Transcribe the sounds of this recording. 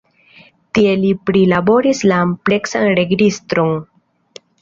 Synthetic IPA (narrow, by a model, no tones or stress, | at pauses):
tie̞lipɾilabo̞ɾislaːmple̞ksanɾe̞ɡɾistɾoŋ